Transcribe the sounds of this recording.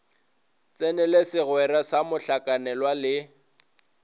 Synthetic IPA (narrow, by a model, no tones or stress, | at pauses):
t͡sʼɛnɛlesɪɣwɛɾasamʊɬakʼanɛlwalɪ